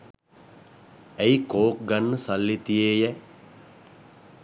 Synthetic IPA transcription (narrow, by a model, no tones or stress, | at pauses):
ejkoːk̚ɡanːəsalːit̪ijeːjɛ